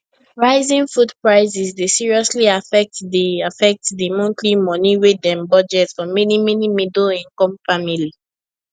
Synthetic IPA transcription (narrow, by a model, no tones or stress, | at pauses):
ɹaɪzĩnfudpɹaɪzisdesiɹiɔsliafɛk̚tdiafɛk̚tdimɔ̃ntʰlimɔniwedɛ̃mbɔd͡ʒɛtsfɔmɛnimɛnimidolĩŋkɔ̃mfamili